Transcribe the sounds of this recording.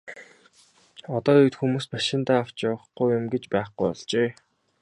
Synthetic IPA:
ɔt̪ɔːit̪xumuːspaʃɪ̆nt̪aːw̥t͡ɕawə̆χɡujʊmɡet͡ɕpæːχɡujɔ̰ɮt͡ɕeː

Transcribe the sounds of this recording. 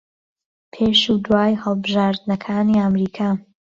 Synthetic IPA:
pʰeːʃud̪waːjhəlˠbɨʒaːɾd̪nɐkʰaːniamɾiːkʰaː

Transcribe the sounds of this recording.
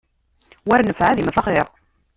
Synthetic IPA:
wæɾnəfʕaðimæfɑχɪɾˤ

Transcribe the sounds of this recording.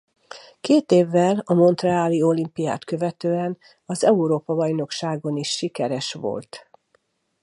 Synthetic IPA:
keːt̪eːvːɛlɒmo̞nt̪rɛaːlio̞limpija̰ːt̪kø̞vɛt̪øːɛn | ɒzɛuɾoːpɒbɒjno̞kʃaːɡo̞niʃːikɛɾɛʃʋo̰lt̪

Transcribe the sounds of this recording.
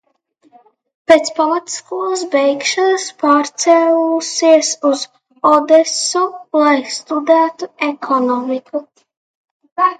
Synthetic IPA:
peːt̪spalat̪i̥skuɔsbɛjkʃɔnaspaːɾt̪sɛlusiɛsuz | ɔd̪ɛsɔlˠajst̪ud̪æːt̪uɛkʰɔnɔmikʰu

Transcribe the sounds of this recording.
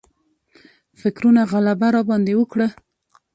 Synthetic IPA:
fɪkɾunaɣalabaɾɑbɑnd̪ewəkɽə

